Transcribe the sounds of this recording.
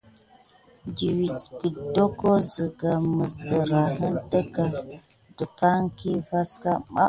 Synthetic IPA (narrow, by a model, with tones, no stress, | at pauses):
di˨wi˨tɡə˨do˦ko˦zə˨ɡa˨mə˨sdə˨ɾa˨ɦə˦n˦tə˦ɡa˨ | də˨pa˦ŋ˦ki˦va˦ska˦ma̰˦